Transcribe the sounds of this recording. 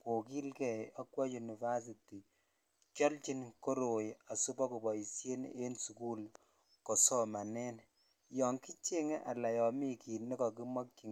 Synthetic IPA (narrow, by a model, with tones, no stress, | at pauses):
ko˨ki˦lkɛ˨a˦kwa˦ju˨ni˨va˦s̬i˨ti˨ | t͡ʃɔ˦lt͡ʃi˦nko˦ɾo˨ja˨su˦pɔ˦ku˨bɔ˨i˨sje˦n̰e˦nsu˨ku˦l | kɔ˨sɔ˦ma˨nɛ˦n | jɔ˨ŋki˦t͡ʃe˦ŋɛ˦ʔa˨la˨jɔ˨mi˦ki˨nːɛ˦kɔ˨k̬i˦mɔ˦k̚t͡ʃi˨ŋ